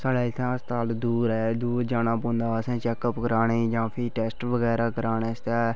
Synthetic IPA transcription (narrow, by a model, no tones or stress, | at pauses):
saːɽaːɪt̪ʰãːəst̪aːld̪uːɾɦɛːd̪uːɾd͡ʒaːnãːpõːnd̪aːəsɛ̃ːt͡ʃɛːkəpɡəɾaːneːd͡ʒãːpʰɪːʈɛːsʈʋəɡɛːɾaːkəɾaːneːɪst̪aː